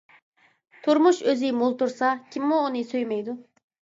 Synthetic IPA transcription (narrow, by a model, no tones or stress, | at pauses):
t̪ʰuɾmuʃøzimulˠt̪uɾsɑkʲʰimmuːnɨsøjmɛjd̪u